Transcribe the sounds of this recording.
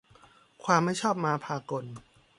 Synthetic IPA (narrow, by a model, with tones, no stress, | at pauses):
kʰwaː˧mːa˥˩jt͡ɕʰɔː˥˩p̚maː˧pʰaː˧ko˧n